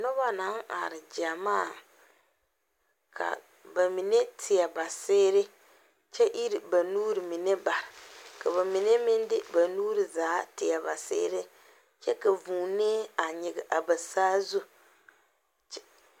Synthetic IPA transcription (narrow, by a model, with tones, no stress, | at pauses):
nɔ˦βa˦na˨˦ŋa̰ː˨ɾɪ˨d͡ʒa˨maː˦˨ | kʰa̰˨ | ba˨mi˨ne˦tʰɪ˨a˨ba˨seː˦ɾɪ˦ | t͡ʃɛ˦ʔi˦ɾɪ˨ba˨nuː˦ɾɨ˨mi˨ne˦ba˨ɾɪ˨ka˨βa˨mi˨ne˦mɪ˦ndɪ˦ba˨nuː˦ɾɪ˨zaː˨˦tɪ˨a˨ba˨sḛː˦ɾɪ˦ | t͡ʃɛ˦ka˨vuː˨neː˦a˨ɲɪ˨ɡɪ˨ʔa˨ba˨saː˦zu˦